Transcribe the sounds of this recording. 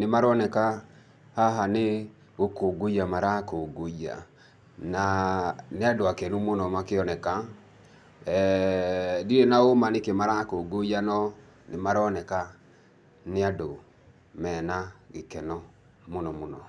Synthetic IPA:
nemaɾɔnɛka | haɦane | ɣokoɡojamaɾakoɡoia̰ | naneadoakɛnumonɔmakeɔnɛka | diɾenaomanekemaɾakoɡojanɔ | nemaɾɔnɛka | neado | mɛnaɡekɛnɔ | monɔmonɔ

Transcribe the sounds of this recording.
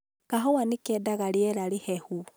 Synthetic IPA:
kaɦɔwanekɛdaɣaɾiɛɾaɾehɛhu

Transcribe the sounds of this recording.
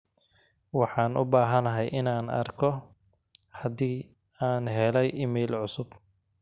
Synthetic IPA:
wɑħɑːnʊbaːɦɐnɐɦɛjʔɪnaːnɐ̰rkʰɔ | hɐðiː | aːnɦɛlɛjʔɪmɛːlʕʊsʊb

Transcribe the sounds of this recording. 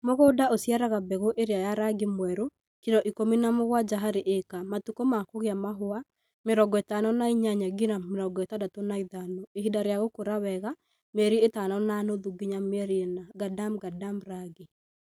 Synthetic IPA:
moɣodaʔosjaɾaɣabɛɣoʔeɾeajaɾaɡimwɛɾo | kidɔʔikominamoɣwad͡ʒaɦaɾeʔekamatukomakoɣeamaɦoa | mɪɾɔɡɔɛtanɔnaiɲaɲaɡinamɪɾɔɡɔɛtadatonaiðanoeɦidaɾjaɣokoɾawɛɣa | mɛɾietanɔnanoðuɡiɲamɛɾinaɡadamɡadamɾaɡi

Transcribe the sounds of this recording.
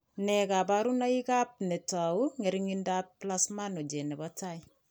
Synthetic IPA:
nɛkapaɾunaikap̚nɛtauŋeɾiŋindapːlasmanod͡ʒenɛbataj

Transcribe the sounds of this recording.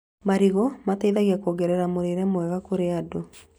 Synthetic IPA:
maɾiɣɔmatɛiðaɣiakoɡɛɾɛɾamoɾeɾɛmwɛɣakoɾeado

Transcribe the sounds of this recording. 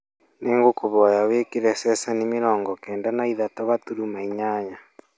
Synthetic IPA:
neːŋɡokoβɔjaweːkiɾɛsɛsanimiɾɔːŋɡɔkɛːndanaiðatoβatuɾumaiɲaɲa

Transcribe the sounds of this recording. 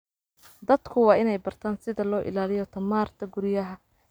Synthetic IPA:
d̪ɐd̪kʰʊwɑːɪnɛjbɐrt̪ʰaːnsɪðɐlɔːʔɪ̰laːlɪjɔt̪ʰɐmaːrt̪ʰɐɡʊɾɪjɐɦɐ

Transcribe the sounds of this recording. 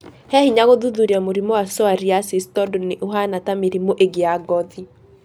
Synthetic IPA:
hɛhiɲaɣoðuðuɾiamoɾimɔwasɔaɾiasistɔdɔneʔoɦanatameɾimoʔeɡeaɡɔði

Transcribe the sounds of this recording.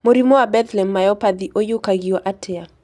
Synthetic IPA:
moɾimɔabɛt̪lɛmːajɔpad̪iʔojʊkaɡiɔʔatʰɛa

